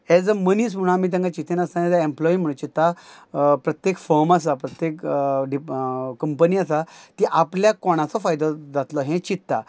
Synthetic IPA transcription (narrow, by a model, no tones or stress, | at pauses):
ɛd͡zəməniːs̬m̤uɽ̃amiːt̪̬ãŋkat͡ɕit̪ʰenast̪anɛd͡zaemplɔim̤əɽ̃ũt͡ɕit̪ːa | pɾət̪jekfɔɾmas̬apɾət̪jekɖikːəmpəniasat̪iʔapljakɔɽ̃ãt͡sɔfajd̪ɔd͡zat̪lɔɦɛ̃t͡ɕit̪ːa̰